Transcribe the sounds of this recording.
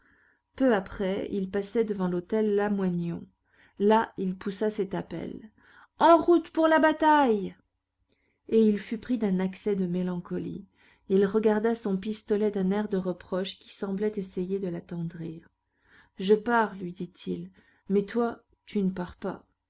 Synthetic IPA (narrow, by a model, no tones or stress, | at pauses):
pøapχɛḭlpasɛd̪əvɑ̃lot̪ɛlːamwanɔ̰̃ː | ailpusasɛt̪apɛ̰l | ɑ̃ʁut̪puʁlabat̪aj | eilfypχid̪ɛ̃naksɛd̪əmelɑ̃kɔlḭ | ilʁəɡaʁd̪asɔ̃p̬ist̪ɔlɛd̪ɛ̃nɛʁd̪əʁəpχɔʃkʲi̥sɑ̃blɛt̪esejed̪əlat̪ɑ̃d̪ʁiːʁ | ʒəpaʁlɥid̪it̪ʰil | mɛt̪wa | t̪ynəpaʁpa̰